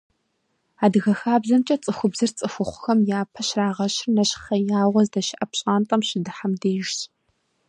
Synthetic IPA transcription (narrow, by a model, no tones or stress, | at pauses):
aːdɨɣɐxaːbzɐmt͡ʃʼɐt͡sʼɨxʷʊbzɨrt͡sʼɨxʷʊχʷʊxɐmjaːpʰɐɕraːʁɐɕrnɐɕxɐjaːʁʷɔzdɐʃɪʔɐpɕʼaːntʼɐmɕɪdɨħamdeːjɪʒɕ